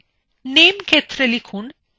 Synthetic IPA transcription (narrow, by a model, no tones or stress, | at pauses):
nemkʰet̪ɾelikʰun